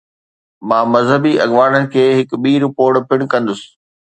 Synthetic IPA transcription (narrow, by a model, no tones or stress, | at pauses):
mãːmɐzɦəbiʔɐ̰ɠʋaːɽənɪ̆kʰeːɦɪkɓiːɾʊpoːɽpɪɽ̃kɐ̃nd̪ʊsɪ̥